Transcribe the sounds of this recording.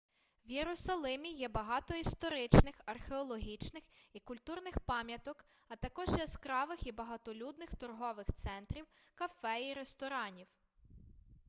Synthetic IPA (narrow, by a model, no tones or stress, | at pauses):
wjeɾʊsɐlˠɪmʲijɛbɐɦɑt̪ɔist̪ɔɾɪt͡ʃnɪxɐrxeɔlˠɔɦʲit͡ʃnɪxikʊlʲt̪urnɪxpɑmʲjɐt̪ɔk | ɐt̪ɐkɔʒjɛskɾɑʋɪxibɐɦɐt̪ɔlʲud̪nɪxt̪ɔrɦɔʋɪxt̪sɛnt̪ɾʲiwkɐfɛiɾest̪ɔɾɑnʲiw